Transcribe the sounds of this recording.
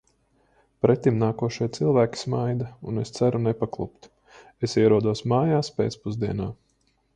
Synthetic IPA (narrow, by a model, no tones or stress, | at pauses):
pɾɛt̪ːimnaːkuɔʃiɛt̪silˠvæːkʲi̥smajd̪aunest̪sæɾunɛpaklˠṵpt̪ | esiɛɾuɔd̪uɔsmaːjaːspḛːt̪spuzd̪iɛnaː